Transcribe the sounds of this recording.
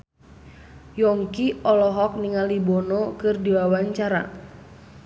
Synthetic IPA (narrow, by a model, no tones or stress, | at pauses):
jɔŋkiɔlɔɦɔk̚niŋalibonɔkɨrdiwawaɲt͡ʃaɾa̰